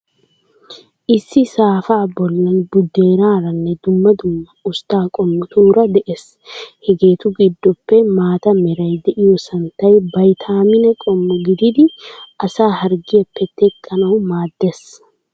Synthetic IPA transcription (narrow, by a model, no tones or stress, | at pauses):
ʔɪsːɪsaːfaːbɔlːɐnbʊd̪ːeːɾaːɾɐnːɛd̪ʊmːɐd̪ʊmːɐʊst̪aːkʼɔmːʊt̪uːɾɐd̪ɛʔes | hɛɡeːt̪ʊɡɪd̪ːɔpːɛmaːt̪ɐmɛɾɐjd̪ɛʔɪjɔsɐnt̪ɐjbɐjt̪ʰaːmɪnɛkʼɔmːʊɡɪd̪ɪd̪ɪʔɐsaːɦɐɾɡɪjɐpːɛt̪ɛkʼːɐnɐwmaːd̪ːeːs